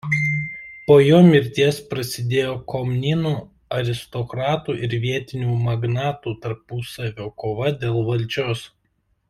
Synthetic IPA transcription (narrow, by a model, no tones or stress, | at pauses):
poːjoːmʲɪɾʲt̪ʲiɛspɾɐsʲɪd̪ʲeːjoːkɔmnʲinuː | ɐɾʲɪst̪ɔkɾɑːt̪uːʔɪɾʋʲiɛt̪ʲɪnʲuːmɐɡnɑːt̪uːt̪ɐɾpʊsɐʋʲoːkoːʋɐd̪ʲeːlˠʋɐlʲd͡ʒʲoːs